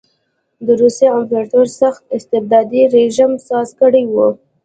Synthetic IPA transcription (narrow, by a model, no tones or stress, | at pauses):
d̪əɾuseamfeʈoɾsaxt̪ɪst̪ɪb̚d̪ɑd̪iɾeʒimsɑzkəɽejwu